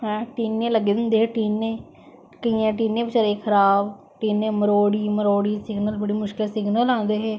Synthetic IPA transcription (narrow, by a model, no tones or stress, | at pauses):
ɦɛ̃ːʈiːnːẽːləɡːeːd̪ənd̪eːɦeːʈiːnːẽː | kəiːãːʈ̬iːnːẽːpɪt͡ʃəɾeːkʰəɾaːb | ʈiːnːẽːməɾoːɽiːməɾoːɽiːsɪɡnəlbəɽiːmʊʃkɪlsɪɡnəlãːnd̪eːɦeː